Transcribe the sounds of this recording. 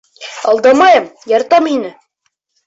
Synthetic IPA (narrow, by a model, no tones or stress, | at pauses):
ɒlˠd̪ɑmɑjɤmjɑɾt̪ɑminɘ